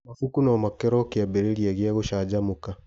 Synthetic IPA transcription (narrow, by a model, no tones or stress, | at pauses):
mafukunɔmakɛɾɔkeɛbeɾeɾiɛɣeɛɣoʃaːd͡ʑamoka